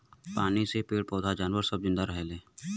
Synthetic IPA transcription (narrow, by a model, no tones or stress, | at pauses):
paːnisepeːɽpɔːd̪ʱad͡ʒaːnʋəɾsəb̚zɪ̃nd̪aɾəɦeːleː